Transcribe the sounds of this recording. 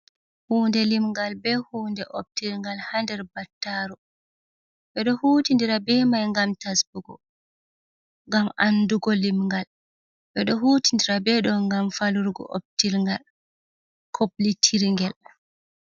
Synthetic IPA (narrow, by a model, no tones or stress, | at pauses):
huːndɛlimŋɡalbɛhuːndɛʔop̚tilŋɡalhandɛɾbatːaɾɔ | ɓɛɗɔhuːtindiɾabɛmajŋɡamtasbuɡɔ̰ | ŋɡamanduɡɔlimŋɡal | ɓɛɗɔɦuːtindiɾabɛɗɔŋɡamfaluɾɡɔ̰ʔo̰p̚tilŋɡal | kʰoblitʰiɾŋɡɛl